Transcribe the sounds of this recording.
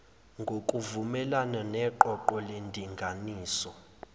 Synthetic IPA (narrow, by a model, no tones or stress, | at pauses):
ŋɡʱokʼuvumɛlananɛǃɔǃɔlendʱiŋɡʱaniːsɔ